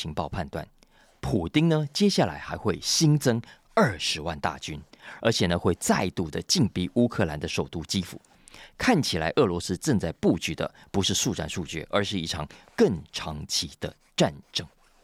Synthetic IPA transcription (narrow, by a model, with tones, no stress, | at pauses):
i˧˥ŋpɑ˥˧ʊpʰa˥˧nt̪wa̰˥˩n | pʰu˨˩t̪i˥ŋnə˧t͡ɕjɛ˥ɕja˥˩la̰˧˥ɪxa˧˥ɪxwe˥˩ɪɕi˥ŋt͡sɤ˥ŋ | ə˞˥˩ʂɻ̩˧˥wa˥˧nt̪a̰˥˨˩t͡ɕy˥nə˞˧˥t͡ɕʰjɛ˨˩nə˧˦xwe˥˧ɪt͡sa˥˧ɪt̪u˥˩d̪ə˨t͡ɕi˥˧ŋpi˥ʔu˥kʰɤ˥˩la˧˦˥nd̪ə˧ʂo˨˩ʊt̪u˥t͡ɕi˥fṵ˨˩ | kʰa˥˩nt͡ɕʰi˨˩la˧˥ɪʔɤ˥˩lwɔ˧˥sɹ̩˥ʈ͡ʂɤ˥˧ŋt͡sa˥˧ɪpu˥˩t͡ɕy˨˩d̪ə̰˧˩pu˧˥ʂɻ̩˥˧ʂu˥˧ʈ͡ʂa̰˥˧nʂu˥˧t͡ɕy̰˥˩ʔə̰˞˧˥ʂɻ̩˥˧i˥˩ʈ͡ʂʰɑ˨˦ŋkə˥˩ŋʈ͡ʂʰɑ˧˥ŋt͡ɕʰi˧˥d̪̥ə̰˧ | ʈ͡ʂa˥˩nʈ͡ʂɤ˥˩ŋ